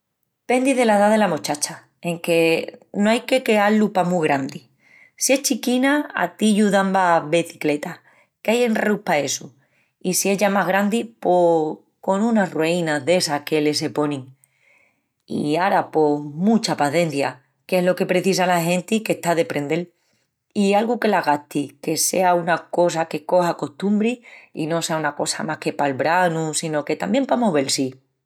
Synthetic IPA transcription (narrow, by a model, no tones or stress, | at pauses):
pe̞nd̪iðe̞laðaðe̞lamot͡ʃat͡ʃa | eŋke̞noajke̞kealːupamuɣɾand̪i | sie̞ht͡ʃikinaa̰t̪iʎuðambaβeθi̥kle̞t̪a | keaje̞nrupae̞su | isie̞ʎamaɦɣ̞ɾand̪ipo | ko̞nũnarweinaðe̞sakele̞s̬e̞po̞niŋ | ḭaɾapo̞mũt͡ʃapaθe̞n̟θja̰ | ke̞ɦlo̞ke̞pɾe̞θis̬alaɦẽ̞nt̪ike̞ht̪aðe̞pɾe̞nd̪e̞l | ialɣuke̞laɣat̪ike̞se̞̰aunako̞s̬ake̞ko̞hako̞ht̪umbɾiḭno̞se̞aunako̞sa̰mahke̞palβɾanusino̞ke̞t̪ambje̞mpamoβe̞lsi